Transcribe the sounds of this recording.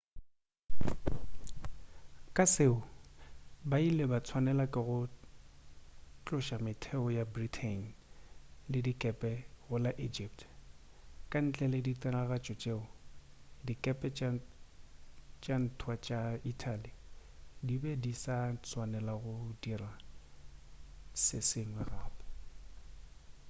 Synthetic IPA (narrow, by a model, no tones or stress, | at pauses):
kʼaseʊ | bailɛbat͡sʰwanɛlakʼɪɣʊ | t͡ɬʼʊʃamɪtʰɛɔjabritʰen | lɪdikʼɛpʼɛɣʊlaʔid͡ʒip̚tʰ | kʼan̩t͡ɬʼɛlɪditʼɛnaɣat͡ʃʼɔt͡ʃʼeːʊdikʼɛpʼɛ | t͡ʃʼan̩tʰwat͡ʃʼaitʰʼalidibɛdisat͡sʰwanɛlaɣʊdira | sɪsɪŋwɛraːbɔ